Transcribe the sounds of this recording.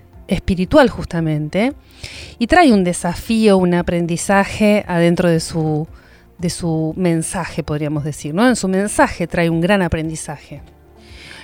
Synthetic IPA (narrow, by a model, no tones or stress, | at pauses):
espiɾit̪walxust̪amẽ̞nt̪e | it̪ɾajund̪e̞safio̞unapɾe̞nd̪isaxeað̞e̞nt̪ɾoð̞esu | ðe̞sumẽ̞nsaxe̞po̞ðɾiamo̞zðe̞siɾno̞ensumẽ̞nsaxe̞t̪ɾajuŋɡɾanapɾe̞nd̪isaxe